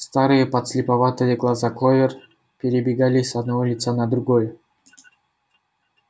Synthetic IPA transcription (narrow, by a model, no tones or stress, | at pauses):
st̪aɾɨjəpɐt̪slʲɪpɐvat̪ɨjəɡlˠazaklˠovʲɪr | pʲɪɾʲɪbʲɪɡalʲɪsɐd̪navolʲɪt̪sanɐd̪ɾʊɡoj